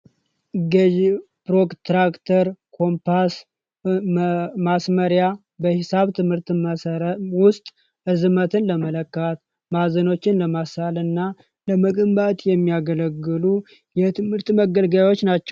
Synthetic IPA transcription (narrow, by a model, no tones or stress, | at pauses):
ɡəd͡ʒ | pɾo̞kt̪ɾakt̪ʰəɾkʰo̞mpʰas | masməɾja | bəhɪsaβt̪ʰɨmhɨɾt̪mwʊst̪ʼ | ɨzmət̪ʰɨnləmələkːat̪ | mazəno̞t͡ʃːɪnləmasalɨnːa | ləməkʼɨmbat̪ʼjɛmːijaɡələɡːɨlu | jɛt̪ʰɨmhɨɾt̪məɡəlɡawo̞t͡ʃːnat͡ʃːɛw